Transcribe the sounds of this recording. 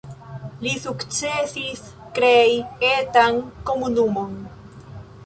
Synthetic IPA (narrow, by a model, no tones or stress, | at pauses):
lisukt͡sesis | kɾejet̪aŋko̞munumon